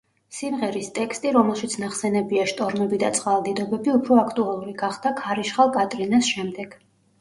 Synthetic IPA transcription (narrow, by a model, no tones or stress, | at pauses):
simʁɛɾist̪ʼɛkst̪ʼiɾɔmɛlˠʃit̪sʰnaχsɛnɛbiaʃt̪ʼɔɾnɛbid̪a̰t̪sʼqʼalˠd̪id̪ɔbɛbiupʰɾɔakʰt̪ʼualˠuɾiɡaχd̪̥akʰaɾiʃχalˠkʼat̪ʼɾinasʃɛmd̪ɛɡ̥